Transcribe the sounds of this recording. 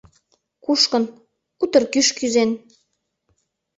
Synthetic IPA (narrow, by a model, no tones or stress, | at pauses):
kuʃkə̆n | ut̪ə̆rkyʃkyzen